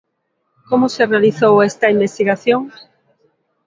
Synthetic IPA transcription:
komʊserealiθowɛst̪ɐimbest̪iɣaθjoŋ

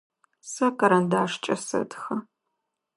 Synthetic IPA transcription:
sɐkɐɾɐndaːʂt͡ʃʼɐsɐ̰dxɐ

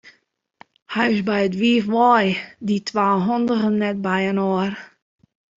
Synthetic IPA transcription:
hajɪsbɛjətʋiːəfʋɔjditʰwaːɦɔndəɣənːɛt̚bɛjənoər

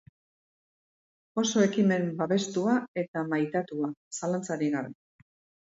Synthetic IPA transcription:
o̞so̞e̞kime̞mbaβe̞st̪uae̞t̪amajt̪at̪uasalant͡saɾiɣaɾe

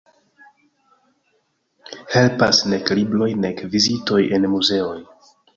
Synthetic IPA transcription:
he̞lpasne̞klibɾo̞jne̞kvizito̞jenmuze̞o̞j

